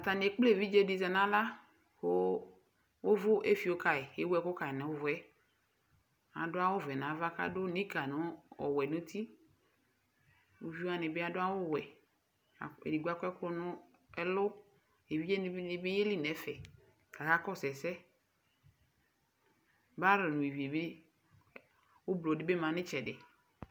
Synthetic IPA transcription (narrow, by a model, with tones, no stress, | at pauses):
a˨t̪a˨n˨e˨˦k͡ple˦˨vi˦d͡ʒe˦˨di˨za˨nã˦la˦ | o˦ | wo˦vʊ˦ʔe˦fi˨o˦ka˨e˨e˦wɛ˨ko˦ka˨nɛ̃˨wo˦vʊ˨˦ɛ˦ | a̰˨dʊ˦a˦wo˦vɛ˨nã˨˦va˦ka̰˦dʊ˦ni˦ka˨nʊ˦ɔ̰˨wɛ˨nũ˦t̪ʰi˦ | o˨vi˦o˦a˦nɪ˨be˦a˦dʊ˦a˦wo˦˨wɛ̰˨ | ḛ˨di˨ɡʷu˦a˦kʷɛ˦kʊ˦nʊ˦ | ɛ˦lʊ˦ | e˨vi˦d͡ʒe˦ɪ˨bɪ˦je˦li˦nɛ˨˦fɛ˨ | ka˨ka˦kɔ˦˨sɛ˨sɛ˦ | ba˦ɾɔ˨nʊ̃˨e˨vi˨e˨be˦ | ʊ˦blo˨dɪ˦be˦mã˨nɪ˦t͡ʃɛ˨dɪ˨